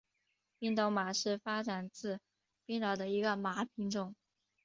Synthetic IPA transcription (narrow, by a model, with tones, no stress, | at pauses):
pi˥ŋt̪o˥˩ʊma˨˩ʂɻ̩˥˩fa˥ʈ͡ʂa˨˩nt͡sɹ̩˥˩ | pi˥ŋɻɑ˨˩ʊd̪ə˧i˧˥ɡə˧ma˧˥pʰi˧˥ŋʈ͡ʂʊ˥˩ŋ